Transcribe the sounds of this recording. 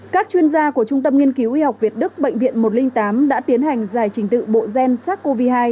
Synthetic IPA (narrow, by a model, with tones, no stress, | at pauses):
kaː˦˥k̚t͡ɕwi˧ənzaː˧ku˧˩ət͡ɕʊ˧ŋ͡mt̪ə˧mŋi˧ənki˨˦wʔi˧ha˨˩wk͡p̚vi˨˩ət̚ɗɨ˦˥k̚ɓə̰˧˨jŋ̟vḭ˧˨ənmo˨˩t̚lï˧ŋ̟t̪aː˨˦mɗa̰ː˧˥t̪i˨˦ənha˨˩jŋ̟zaː˨˧˩jt͡ɕï˨˦ŋ̟t̪ɨ̰˧˨ɓo̰˧˨zɛ˧nsaː˦˥t̚ko˧vi˧haː˧j